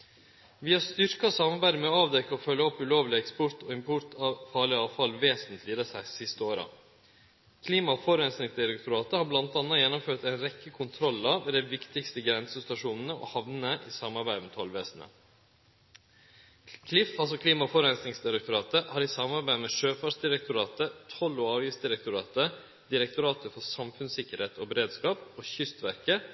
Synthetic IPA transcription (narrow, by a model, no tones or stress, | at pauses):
ʋiːɑst̪ʏɾkɑsɑmɑɾbæɪd̪əmɛɔɑːʋd̪ɛkːɑɔfœlːəɔpːʉloːʋlɪɛkspʊɾt̪oːɪmpʰʊt̪ɑfɑːɭɪɑːʋfɑlʋeːsənt̪ʰlɪːd̪əsæɪsɪst̪əoːɾɑ̰ | kʰliːmɑfɔɾɛnsnɪŋsd̪ɪɾɛk̚t̪ʰʊɾɑːt̪əhɑːɾblɑnt̪ɑnɑjɛnːʊmføːʈ̪æɪnɾɛkːəkʰʊnt̪ʰɾɔlːɑʋeːd̪æɪʋɪkt̪ɪkst̪əɡɾɛnsəst̪ɑʂuːnən̩əʔo̰ːhɑʋnəəʔiːsɑmɑɾbæɪd̪əmet̪ʰɔlʋeːsn̩ə̰ | kʰlɪfɑlsɔkʰliːmɑfɔɾɛnsnɪŋsd̪ɪɾɛk̚t̪ʊɾɑːt̪əhɑːɾiːsɑmɑɾbæɪmeːʂøːfɑʂd̪ɪɾɛk̚t̪ʰʊɾɑːt̪ət̪ʰɔlːoːɑɾəsd̪ɪɾɛkt̪ʊɾɑːt̪ə | d̪ɪɾɛkt̪ʊɾɑːt̪əfɔsɑmfʉnsɪkːəɾheːt̪oːbəɾeːd̪skɑːpoːçʏst̪ʋæɾkə